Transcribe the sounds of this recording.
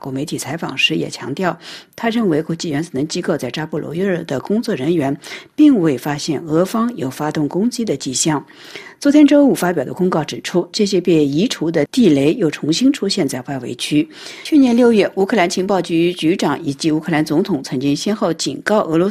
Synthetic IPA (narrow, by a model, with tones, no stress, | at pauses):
fa˨˩kwɔ˧˥me˧˥ɪt̪ʰi˨˩t͡sʰa˧˥ɪfɑ̰˨˩ŋʂɻ̩˧˥jɛ̰˨˩t͡ɕʰjɑ̰˧˥ŋt̪jɑ˥˩ʊt̪ʰa˥ɻə˥˩nwe˧˥ɪkwɔ˧˥t͡ɕi˥˩ɥɛ˧˥nt͡sɹ̩˨˩nə˧˥ŋt͡ɕi˥ko˥˧ʊt͡sa˥˧ɪʈ͡ʂa˥pu˥˩lwɔ̰˧˥y˥ɻ̩˥˩d̪ə˩kʊ˥ŋt͡swɔ˥˩ɻə˧˥nɥɛ˧˥npi˥˧ŋwe˥˩ɪfa˥ɕjɛ˥˩nɤ˧˥fɑ˥ŋjo˨˩ʊfa˥t̪ʊ˥˩ŋkʊ˥ŋt͡ɕi˥d̪ə˨t͡ɕi˥˧ɕjɑ˥˩ŋ | t͡swɔ˧˥t̪ʰjɛ˥nʈ͡ʂo˥ʊu˥˩fa˥pjɑ˨˩ʊd̪ə˦kʊ˥ŋkɑ˥˩ʊʈ͡ʂɻ̩˨˩ʈ͡ʂʰu˥ʈ͡ʂɤ˥˧˩ɕ̬jɛ˥pe˥˩i˧˥ʈ͡ʂʰu˧˥d̪ə˧t̪i˥˩le˧˥ɪjo˥˩ʊʈ͡ʂʰʊ˧˥ŋɕi˥ŋʈ͡ʂʰu˥ɕjɛ˥˧nt͡sa˥˧ɪwa˥˩ɪwḛ˧˥ɪt͡ɕʰy˥ | t͡ɕʰy˥˩njɛ˧˥nljo˥˧ʊɥɛ˥˩ʔu˧˥kʰɤ˥˧la˧˥nt͡ɕʰi˧˥ŋpɑ˥˩ʊt͡ɕy˧˥t͡ɕy˧˥ʈ͡ʂɑ˨˩˦ŋi˨˩t͡ɕi˧˥u˧˥kʰɤ˥˩la˧˥nt͡sʊ˧˥ŋt̪ʰʊ˨˧˩ŋt͡sʰɤ˧˥ŋt͡ɕi˥ŋɕjɛ˥nxo˥˩ʊt͡ɕḭ˨˩nkɑ˥˩ʊʔɤ˧˥lwɔ˧˥